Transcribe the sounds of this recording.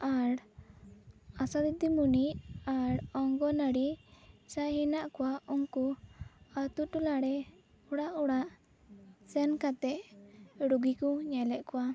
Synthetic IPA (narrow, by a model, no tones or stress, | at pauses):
aɾ | asad̪id̪imuniʔaɾɔŋɡɔnaɽisahɛnaʔkɔwauŋku | at̪uʈulaɽɛ | uɽaʔuɽaʔ | sɛnkat̪ɛʔɽuɡikuɲɛlɛʔkuwa